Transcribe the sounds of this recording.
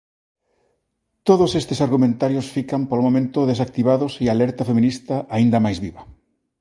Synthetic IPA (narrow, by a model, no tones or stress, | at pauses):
t̪oðʊsest̪ɪsaɾɣumẽnt̪aɾjosfikɐmpolomomẽnt̪ʊðesak̚t̪iβaðʊsialɛɾt̪ɐfemĩnist̪ɐʔaind̪ɐmajzβiβɐ